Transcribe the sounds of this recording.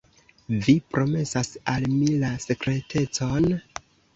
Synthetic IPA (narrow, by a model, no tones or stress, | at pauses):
vipɾo̞me̞sasalmilase̞kɾe̞tʰe̞t͡so̞n